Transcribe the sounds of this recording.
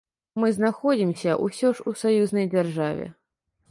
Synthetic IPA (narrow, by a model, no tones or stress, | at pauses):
mɨznaxɔd͡zʲimsʲɐʔusʲɔʂusajuznɐjd͡zʲarʐavʲɛ̰